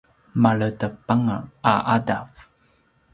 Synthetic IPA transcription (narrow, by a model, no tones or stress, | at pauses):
maɭətəpaŋaaʔadaf